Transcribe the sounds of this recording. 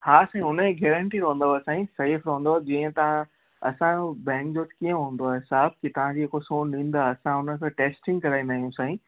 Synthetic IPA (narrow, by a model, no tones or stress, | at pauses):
haːsãːĩʊneɡɛːɾə̃ɳʈiɾɐɦũnd̪osãːĩsefɾɐɦũnd̪od͡ʑiːə̃t̪ɐʋ̤ã | ɐ̰sãbɛ̃ːŋkd͡ʑoːt̪kiə̃ɦũːn̆d̪oaːɦesaːb̚kit̪ɐʋ̤ãd͡ʑiːɦekosoːnnĩːnd̪aɐsãʊnəkʰẽʈeːsʈɪ̃ŋɡkɐɾaːĩnd̪aːɦijũsãːĩ